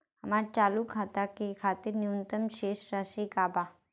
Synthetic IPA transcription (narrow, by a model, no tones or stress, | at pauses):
ɦəmaɾt͡ʃaːlukʰɦat̪akikʰaːt̪iɾniunt̪əmʃeːʃɾaʃikaːba